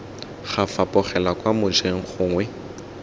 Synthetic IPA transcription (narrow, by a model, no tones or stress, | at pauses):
χafapʼʊχɛlakʼwamʊd͡ʒeŋ̩χʰʊːŋwɛ